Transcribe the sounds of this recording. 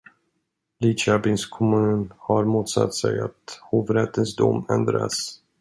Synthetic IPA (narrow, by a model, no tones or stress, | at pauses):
lit͡ʃabɪnskʰɔmʉ̟ːnhaɾmuːt̪sa̰t̪ːsɛjat̪huːvɾɛt̪ːənsd̪umɛnd̪ɾa̰s